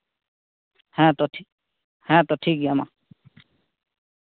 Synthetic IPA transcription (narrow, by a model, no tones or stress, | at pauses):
hɛ̃t̪ɔʈʰi | hɛ̃t̪ɔʈʰikjama̰